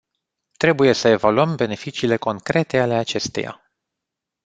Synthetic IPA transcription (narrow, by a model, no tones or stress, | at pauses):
t̪ɾe̞buje̞səe̞valuəmbe̞ne̞fit͡ʃiːle̞ko̞ŋkɾe̞t̪e̞ale̞at͡ʃe̞st̪e̞̰ja̰